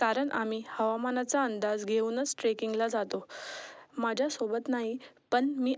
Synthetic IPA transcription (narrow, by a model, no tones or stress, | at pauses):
kaɾəɳʔamiːhəʋamanat͡saənd̪ad͡zɡʱeunət͡sʈɾekiŋɡlad͡zat̪o | mad͡ʑʱjasobət̪naɦipəɳmiː